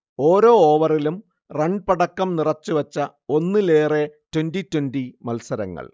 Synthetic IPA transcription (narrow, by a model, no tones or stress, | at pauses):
o̞ːɾo̞ːoːʋɐrilum | reɳɖ̚pɐɽɐkːɐmnirɐt͡ɕːuʋɐt͡ɕːɐ | o̞nːɨle̞ːretwenditːwenɖimɐlsɐɾɐ̰ŋːɐ̰ɭ